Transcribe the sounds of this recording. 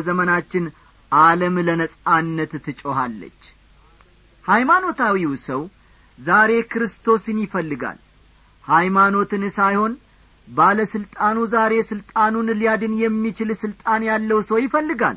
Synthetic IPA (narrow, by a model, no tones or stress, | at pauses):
zəmənat͡ʃːɪn | ʔaləmlənəsʼanːət̪t̪ʰːɨt͡ʃʼoɦalːə̰t͡ʃː | hajmano̞t̪ʰawiwsəw | zaɾe̞kʰɨɾɨst̪ʰo̞snjɪfəlːɨɡa̰l | hajmano̞t̪ɨnsajho̞n | baləsɨlt̪ʼanuzaɾe̞sɨlt̪ʼanunlijad̪ɨnjɛmːit͡ʃɪlsɨlt̪ʼanjalːəwsəwjɪfəlːɨɡa̰l